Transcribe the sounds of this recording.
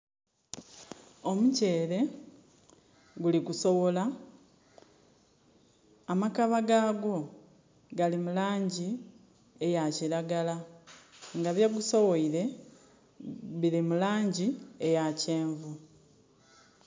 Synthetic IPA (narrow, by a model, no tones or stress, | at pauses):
o̞muce̞ːɾe̞ | ɡuliɡuso̞βo̞la | makaβaɡaːɡo̞ | ɡalimulaːɲɟi | ejaciɾaɡala | ŋɡaβjaɡuso̞wo̞iɾe̞ | βilimulaːɲɟiejace̞ːɱvu